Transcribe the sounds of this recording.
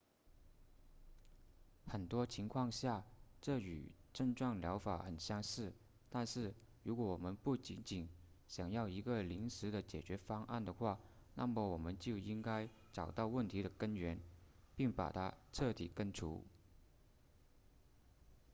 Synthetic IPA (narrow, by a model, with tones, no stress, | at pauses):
xə˨˩nt̪wɔ˥t͡ɕʰi˧˥ŋkʰwɑ˥˧ŋɕja˥˧ʈ͡ʂɤ˥˩y̰˨˩ʈ͡ʂə˥˧ŋʈ͡ʂwɑ˥˩ŋljɑ˧˥ʊfa˨˩xə˨˩nɕjɑ˥ŋʂɻ̩˥˩ | t̪a˥˧nʂɻ̩˥˩ɻu˧˥kwɔ˧˥˩wɔ˨˩mə˧˦npu˥˩t͡ɕi˧˥nt͡ɕi˨˩n | ɕjɑ˨˩ŋjɑ˥˩ʊi˧˥ɡə˧li˧˥nʂɻ̩˧˥d̪ə˨t͡ɕjɛ˨˩t͡ɕɥɛ˧˥fɑ˥ŋʔa̰˥˩nd̪ə˩xwa˥˩ | na˥˩mə˨˩wɔ˨˩mə˦nt͡ɕjo˥˩ʊi˥ŋka˥ɪ | ʈ͡ʂɑ˨˩ʊt̪ɑ˥˧ʊwə˥˩nt̪ʰi˧˥ɾə˧˨kə˥nɥɛ˧˥npi˥˩ŋpa̰˨˩t̪ʰa̰˥ʈ͡ʂʰɤ˥˩t̪i˨˩kə˥nʈ͡ʂʰṵ˧˥